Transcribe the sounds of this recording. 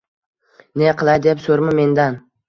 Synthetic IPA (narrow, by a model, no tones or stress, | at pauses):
neqɨlˠajd̪epsɵɾmɪme̞nd̪an